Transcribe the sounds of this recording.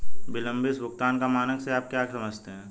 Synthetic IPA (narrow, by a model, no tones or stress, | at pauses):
bɪlə̃mbɪsbʊk̚t̪aːnkamaːnəkseaːp̚kjaːkesɐməd͡ʒʱt̪eɦɛ̃ː